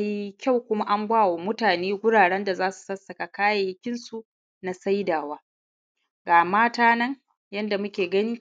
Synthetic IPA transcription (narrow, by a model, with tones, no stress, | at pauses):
a˦ji˦kʲa˦˨wkʷʊ˦ma˦ʔa˦ŋɡʷaː˦˨woː˨mʊ˦taː˨neː˦ɡʷʊ˦ɽaː˨ɽɛ˦nda˨zaː˦su̥˨sɐ˦sɐ˨ka˨kaː˦ja˨jɪ˦kʲɪ˦nsu˨ʔ | na˨sa˦jdaː˨waː˦ | ɡaː˨maː˦taː˦nɐ˦ŋ | jɐ˦nda˨mʊ˦kʲeː˨ɡɐ˦niː˦